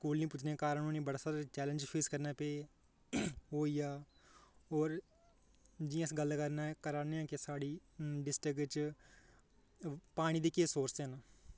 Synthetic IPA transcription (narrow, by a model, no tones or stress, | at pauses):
skuːlnĩːpʊt͡ʃʰnẽːkaːɾənoːnĩːbəɽaːsaːɾt͡ʃɛːlə̃nd͡ʒpʰeːskəɾnaːpeː | ɦoːiːaː | oːɾ | d͡ʒiːãɪsɡəlkəɾnaːɛkəɾaːneãːkɪsaːɽiːɖɪsʈɾɪkʋɪt͡ʃ | paːɽ̃iːd̪eːkeːsoːɾseəna